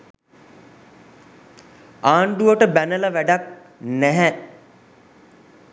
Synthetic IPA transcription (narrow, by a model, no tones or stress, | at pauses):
aːɳɖuʋəʈəbænələʋæɖak̚ | næɦɛ